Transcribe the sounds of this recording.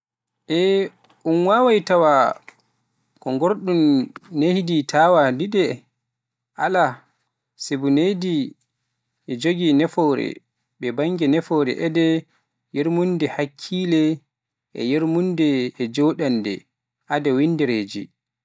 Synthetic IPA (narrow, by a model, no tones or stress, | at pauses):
ʔɛ | ʔunwawajtawa | kɔŋɡoɾɗunːehiditʰawadiɗɛ | ʔa̰la | sebunedi | ʔɛd͡ʒoɡinɛfɔɾɛ̰ | ɓɛbaŋɡɛnɛfɔɾɛ̰ʔɛdɛ | jeɾmundɛhakʰːiːlɛ | ʔɛ̰jeɾmundɛːd͡ʒɔɗandɛ̰ | ʔadɛwindiɾeːd͡ʒḭ